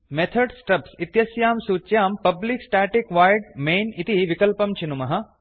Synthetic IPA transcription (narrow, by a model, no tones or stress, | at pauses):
met̪ʰɐɖsʈɐpsit̪jɐsjaːmsuːt͡ʃːjaːmpɐbliksʈaːʈikʋaːjɖmeːnit̪iʋikɐlpɐmt͡ʃʰinumɐɦɐ